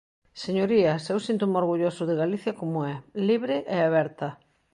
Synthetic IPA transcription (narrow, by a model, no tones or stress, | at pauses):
seɲoɾiɐsewsint̪umoɾɣuʎosʊðɪɣaliθjɐkomʊɛliβɾɪʔɛaβɛɾt̪ɐ